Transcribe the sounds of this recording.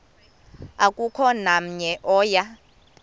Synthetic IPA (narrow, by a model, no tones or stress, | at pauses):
akʼukʰɔnam̩ɲɛʔɔːja